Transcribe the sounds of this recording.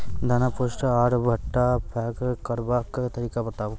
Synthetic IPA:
d̪ʱɐnapoʃʈaːɾbʱɐʈːapʰɛːkkɐɾbaːkt̪ɐɾiːkabɐt̪aːʋ

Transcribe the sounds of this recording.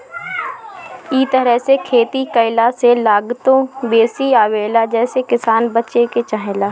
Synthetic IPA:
iːt̪əɾəɦsekʰeːt̪ikəɪlaselaːɡt̪õbeːsiaːʋeːlad͡ʒɛːsekɪsaːnbətːt͡ʃeket͡ʃaːɦelaː

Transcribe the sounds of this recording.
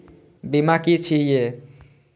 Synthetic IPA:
bimakit͡ʃʰije

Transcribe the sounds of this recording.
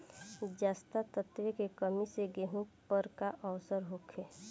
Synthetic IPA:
d͡ʒaːst̪at̪ət̪ʋekekəmiseɡeɦũpəɾkaʔəʋsəɾɦoːkʰe

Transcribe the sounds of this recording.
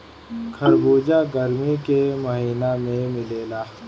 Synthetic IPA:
kʰɐɾbuːd͡ʒaːɡɐɾmikemɐɦiːnamẽmɪleːlaː

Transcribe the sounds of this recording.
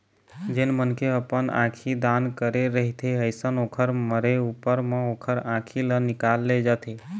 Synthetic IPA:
d͡ʒenmənkeəpənã̰kʰid̪ankəɾeɾəɦit̪ʰeəjsənoːkʰəɾməɾeupəɾmẽoːkʰəɾãkʰilənɪkalːed͡ʒat̪ʰe

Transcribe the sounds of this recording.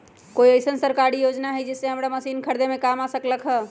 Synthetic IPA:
koiəjsənsəɾkaɾijod͡ʒnaɦəjd͡ʒesːeɦəmɾaməsinkʰəɾd̪emekamasəkləkʰɦə

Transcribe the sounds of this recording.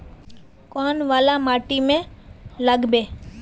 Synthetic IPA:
koːnʋaːlamaːʈimẽləɡbeː

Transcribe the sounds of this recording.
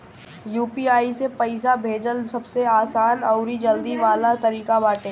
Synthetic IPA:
juːpiaːisepɐɪsabʱeːd͡ʒəlsɐbseaːsaːnɔʊɾid͡ʒɐld̪iʋaːlat̪ɐɾiːkabaːʈẽː

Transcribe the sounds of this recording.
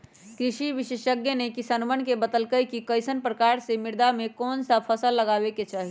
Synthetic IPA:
kɾiʃiʋiʃeʃəɡjənekisanmənkebət̪əlkəjkikəɪsənpɾəkaɾsemɪɾd̪amekɔːnsəpʰəsəlːəɡabeket͡ʃaɦi

